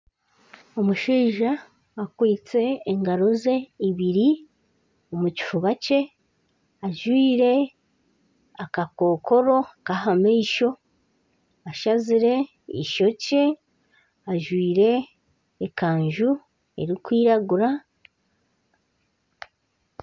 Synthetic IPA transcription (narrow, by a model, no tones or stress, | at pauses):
omuʃiːʒaː | kwiːt͡se̞ːŋɡaɾo̞ze̞iβiɾi | omuci̥fuβace̞ | aʒwiːɾe̞ | akako̞ːko̞ɾo̞kahameiʃo̞ | aʃaziɾe̞ | ḭʃo̞ce̞ | aʒwiːɾe̞ː | kaːɲʒu | e̞̰ɾikwiːɾaɡuɾa